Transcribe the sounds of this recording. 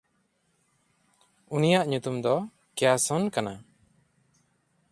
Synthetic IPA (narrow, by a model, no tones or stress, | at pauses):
unijaʔɲut̪umd̪ɔ | kɛjasɔnkana